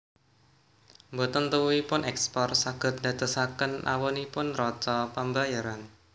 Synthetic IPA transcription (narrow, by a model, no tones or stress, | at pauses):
mbot̪ənt̪əwuipʊnʔɛkspɔrsaɡ̥ə̤t̪̚da̤t̪əsakənʔa̰wɔnipʊnrɔtɔpəmbajaɾan